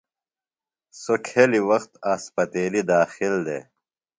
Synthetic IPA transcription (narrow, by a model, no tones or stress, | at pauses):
sokʰeliwɐxt̪aːspɐt̪eːlid̪aːxild̪ḛː